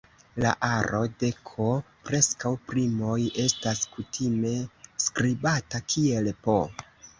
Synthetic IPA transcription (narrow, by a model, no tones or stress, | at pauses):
la̰ʔaɾɾo̞de̞kʰo | pɾe̞skawpɾimo̞je̞staskutʰime̞skɾibatakʰie̞lpo